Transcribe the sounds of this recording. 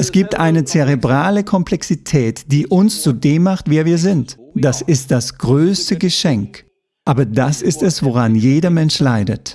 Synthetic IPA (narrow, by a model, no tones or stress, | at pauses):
ʔɛsɡ̥iːp̚tʔaɪnət͡seʁebʁaːləkʰɔmplɛksitʰɛːtd̥iːʔʊnst͡sudeːmːaχtv̥eːɐviːɐzɪntd̥asɪst̚d̥asɡ̥ʁøːstəɡəʃɛŋk | ʔaːbɐdasɪstɛsv̥oʁ̞anjeːdɐmɛnʃlaɪdət